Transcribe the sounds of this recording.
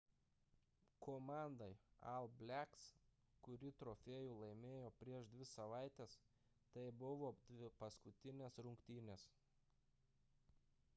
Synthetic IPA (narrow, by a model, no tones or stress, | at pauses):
kʰoːmɑˑnd̪ɐɪɐ̰lˠbʲlʲæks | kʊɾʲɪt̪ɾoːfʲeːjuːlˠɐɪmʲeːjoːpʲɾʲiɛʃd̪ʲʋʲɪsɐʋɑˑɪt̪ʲes | t̪ɐɪbʊʋoːd̪ʲʋʲɪpɐskʊt̪ʲɪnʲeːsɾʊŋkt̪ʲiːnʲeːs